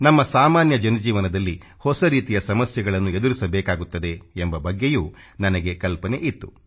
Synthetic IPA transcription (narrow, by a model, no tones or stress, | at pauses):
nɐmːɐsaːmaːnjɐd͡ʒɐnɐd͡ʒiːʋɐnɐd̪ɐlːi | hɔsɐɾiːt̪ijɐsɐmɐsjɛɡɐɭɐnːue̞d̪uɾisɐbɛːkaːɡut̪ːɐd̪eembɐbɐɡːejuː | nɐnɐɡe̞kɐlpɐne̞ʔit̪ːu